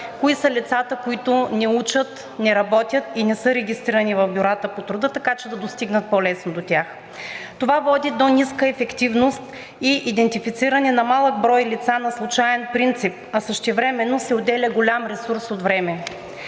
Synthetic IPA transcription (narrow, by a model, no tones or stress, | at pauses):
koisəlʲit̪sat̪əkoit̪ʊnɛut͡ʃət̪ | nɛɾɐbɔt̪ʲjət̪inɛsɤɾɛɡʲist̪ɾiɾɐnivɐvbʲoɾat̪əpot̪ɾud̪ət̪ɐkat͡ʃɛd̪ɐd̪ost̪iɡnət̪̚pɔlɛsnod̪ot̪ʲax | t̪ovavɔd̪ʲid̪oniskəɛfɛkt̪ivnost̪ | iʔid̪ɛnt̪ifit̪siɾɐnɛnɐmalˠəɡ̚bɾɔjlit̪sanɐslˠut͡ʃaɛnpɾint̪sip̚ɐsəʃt̪ɛvɾɛmɛnːosɛod̪ɛlʲəɡolʲamɾɛsuɾsot̪vɾɛmɛ